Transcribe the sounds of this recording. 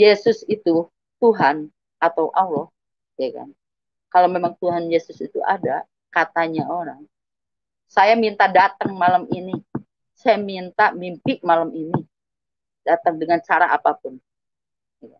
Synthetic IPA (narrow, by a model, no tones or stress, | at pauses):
jesʊsit̪u | t̪uɦan | at̪awʔalːɔh | jaka̰n | kalawmemaŋt̪uɦanjesʊsit̪ṵʔa̰da | kat̪aɲaoɾaŋ | sajamint̪adat̪əŋmalamini | sajamint̪amimpɪʔmalamini | dat̪əŋdəŋant͡ʃaɾaʔapapʊn | jakan